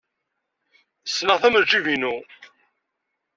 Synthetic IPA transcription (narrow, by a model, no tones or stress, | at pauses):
sːnəʁθæməd͡ʒivinu